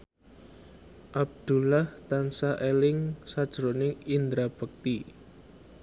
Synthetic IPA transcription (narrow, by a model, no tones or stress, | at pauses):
ʔab̚d̪̥ṳlaht̪ansaʔelɪŋsad̥ʒ̥ɾonɪŋind̪ɾab̥ə̤k̚t̪i